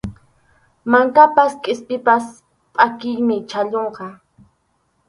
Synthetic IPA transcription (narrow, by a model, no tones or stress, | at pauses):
maŋkapaskʼɪspʼɪpas | pʼakɪjmɪt͡ʃaʎoɴqɑ